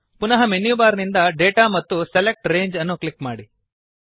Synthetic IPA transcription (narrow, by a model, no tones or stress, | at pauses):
punɐɦɐmenjubaːɾnind̪ɐɖeːʈaːmɐt̪ːuselek̚ʈɾe̞ːɲd͡ʒɐnːuklikmaːɽi